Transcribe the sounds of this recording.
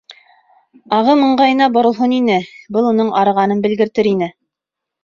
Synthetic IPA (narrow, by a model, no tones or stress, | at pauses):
ɑʁɤmɤ̆ɴɢɑjɤ̆nɑbŏɾŏlˠɦɤninɘbɤlˠunɤɴɑɾɤ̆ʁɑnɤnbɘ̆lɡɘ̆ɾt̪ɘɾinɘ